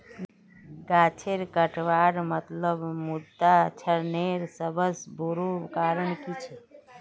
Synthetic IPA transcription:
ɡaːt͡ʃʰeɾkəʈʰʋaːɾmət̪ləbmʊd̪ːat͡ʃʰəɾneːɾsəbəsbuɾukaːɾəɳkit͡ʃʰ

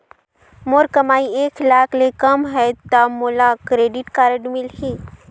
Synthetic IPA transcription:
moɾkɐmaːieːklaːkʰlekɐmɦɛt̪amoːlakɾeːɖɪʈkaːɾəɖmɪlɦi

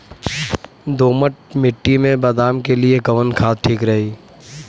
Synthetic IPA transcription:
d̪oːməʈ̚mɪʈːimẽbɐd̪aːmkelieɡɐʋənkʰaːt̪̚ʈʰiːkɾɐɦiː

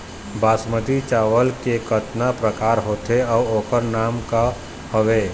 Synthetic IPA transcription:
baːsmət̪it͡ʃaːʋəlkekət̪napɾəkaːɾɦoːt̪eɔːoːkəɾnaːmka | hoʋeː

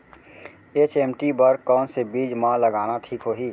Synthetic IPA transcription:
eːt͡ʃeːmʈibɐɾkɔːnsebiːd͡ʒmãlɐɡaːnaʈʰiːkɦoːɦiː

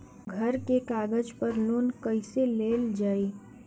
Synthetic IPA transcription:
ɡʱɐɾkekaːɡəd͡ʒpəɾloːnkəɪseleːld͡ʒaːi

